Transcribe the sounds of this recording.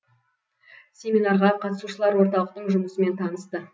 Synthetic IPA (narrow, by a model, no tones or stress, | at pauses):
sʲe̞minɑɾʁɑqʰɑt̪əsuʃəlˠɑɾwo̞ɾt̪ɑlˠəq̚t̪əɴʒʊməsəme̞nt̪ʰɑnəst̪ə